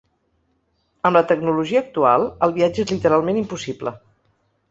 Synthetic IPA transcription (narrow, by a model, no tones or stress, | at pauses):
əmlət̪əɡnuluʒiəːk̚t̪ua̰lˠəlˠβiad͡ʒəezlit̪əɾalˠmenimpusiplə̰